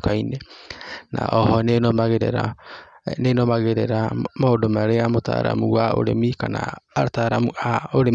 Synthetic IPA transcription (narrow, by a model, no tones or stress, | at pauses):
kainena̰ʔɔhɔnenomaɣeɾɛ̰ɾa̰ | nenomaɣeɾɛɾamaodomaɾeamota̰ɾa̰muwao̰ɾemikana̰ːtaɾamuaoɾe